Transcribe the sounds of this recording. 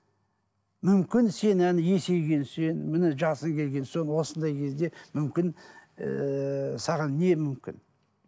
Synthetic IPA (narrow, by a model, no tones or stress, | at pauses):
mʏmkʲɪnse̞nænɪje̞se̞jɡʲe̞nse̞nmɪnɪʒɑsəŋkʲʰe̞lɡʲe̞nso̞nwo̞sənd̪ɑjkʲʰezd̪e̞mʏmkʲɪn | sɑʁɑnːe̞mʏmkʲɪ̰n